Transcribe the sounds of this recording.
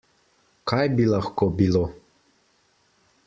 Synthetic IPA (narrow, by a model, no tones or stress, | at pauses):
kajbilaxkobilo